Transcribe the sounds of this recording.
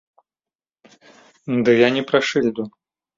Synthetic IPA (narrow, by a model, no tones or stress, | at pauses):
d̪ɨjanʲɛpɾaʂɨlʲd̪u